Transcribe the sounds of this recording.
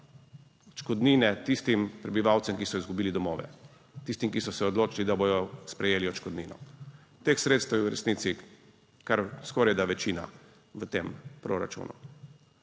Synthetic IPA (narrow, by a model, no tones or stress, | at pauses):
ɔt͡ʃkɔd̪niːnɛt̪ist̪impɾɛbiʋawt̪sɛmkisɔizɡubiːlid̪ɔmɔːʋɛ̰ | t̪ist̪imkisɔsɛɔd̪loːt͡ʃilid̪aboj̪ɔspɾɛjeːliɔt͡ʃkɔd̪ninɔ̰ | t̪exsɾeːt̪st̪ɛwjɛwɾɛ̰sniːt̪si | kaɾskɔːɾajd̪aʋɛt͡ʃiːna̰ | ʋət̪empɾoɾa̰t͡ʃṵnʔṵ